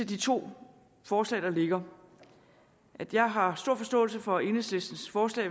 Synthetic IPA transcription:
e̝d̥it͡sʰo̝̰ː | fɒːslɛ̰ːd̥ɑ̈le̝ɡ̥ɐ | ʔæd̥jɑ̈ɪɦɑ̈sd̥o̝ɐ̰fɒ̽sd̥ɔ̰̽ːlsəfɒ̽e̝nəsle̝sd̥n̩sfɒːslɛ̰ː

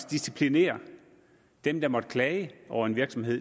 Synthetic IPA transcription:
d̥isipʰline̝̰ːɐ | d̥emd̥ɑ̈mɒ̽d̥əkʰlɛɪəʔɒʊ̰ɐe̝nʋiɐɡ̥sɒ̽mɦe̝ð̰ˠ

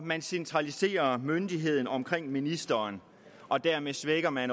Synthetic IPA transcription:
mænsent͡sʰʁɑlise̝̰ːɐmønd̥iɦe̝ð̞̰ˠn̩ɒ̽mkʰʁeŋ̰minisd̥ɐːn | ʔɒ̽d̥æɐ̰mesʋeɡ̥ɐmæn

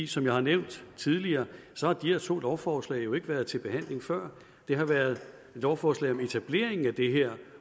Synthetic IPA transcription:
isɒ̽mjɑ̈ɪhɑ̈neʊ̰nd̥t͡sʰið̞ˠliɐːsɒ̽hɑ̈d̥iheɐt͡sʰo̝̰ːedɒʊfɒːslɛ̰ɪjo̝e̝ɡ̥əʋæːɐð̞̩ˠt͡sʰe̝lb̥e̝hæn̰le̝ŋfɶɐ̰ | d̥e̝ɦɑ̈ʋæɐð̞̩ˠ | e̝d̥ɒʊfɒːslɛ̰ɪɒ̽me̝t͡sʰæb̥le̝̰ːɐe̝ŋn̩æd̥e̝ɦeɐ̰

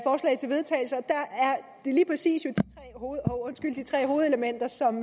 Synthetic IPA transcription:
fɒːslɛ̰ɪt͡sʰe̝lʋe̝ðˠt͡sʰɛ̰ːɪl̩səɒ̽d̥ææɐd̥e̝liːpʰʁɛsḭːsjo̝d̥it͡sʰʁɛ̰ːhoːɔ̽nsɡ̥yl̰d̥i̥t͡sʰʁɛ̰ːɦo̝ːð̩ˠeləmen̰d̥ɐsɒ̽m

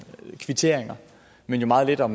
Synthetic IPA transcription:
kʰʋit͡sʰe̝ɐ̰eŋɐ | men̰jo̝mɑ̈ːð̞̩ˠle̝d̥ɒ̽m

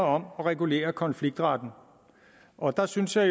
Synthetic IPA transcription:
ɐɒ̽mɒ̽ʁɛɡ̥ule̝̰ːɐkʰɒ̽nfliɡ̥̚d̥ʁɑ̈d̥n̩ | ʔɒ̽d̥ɑ̈synsjɑ̈ɪ

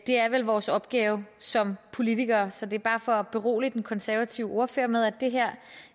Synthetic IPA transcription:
d̥e̝æɐʋelʋɒːsɒ̽b̥ɡ̥ɛːʊsɒ̽mpʰo̝lit͡sʰiɡ̥ɐːsɒ̽d̥e̝ɐb̥ɑ̈ːfɒ̽b̥e̝ʁo̝̰ːlid̥enkʰɒ̽nsæɐʋæt͡sʰiʊo̝ɐføɐ̰meðˠæd̥e̝ɦæɐ̰

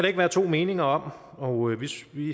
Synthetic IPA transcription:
æɾ̥ee̝ɡ̥ʋæːɐt͡sʰo̝̰ːme̝ːne̝ŋɐɒ̽m̰ | ɒ̽øʋesʋi

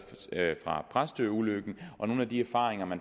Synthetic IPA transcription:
fʁɑ̈pʰʁasd̥øuløɡ̥n̩ʔɒ̽no̝ːnæd̥iæɐfɑ̰̈ːʁeŋɐmæn

